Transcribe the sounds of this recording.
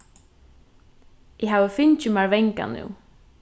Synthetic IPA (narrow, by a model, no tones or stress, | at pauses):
ɛɦaːvɪfɪɲt͡ʃʏmaɹvɛjŋka̰nṵw